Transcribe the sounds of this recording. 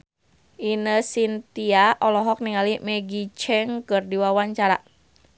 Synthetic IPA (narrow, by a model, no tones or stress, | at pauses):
ʔinəsint̪iaʔɔlɔɦɔk̚niŋalimɛɡit͡ʃɛŋkɨrdiwawaɲt͡ʃaɾa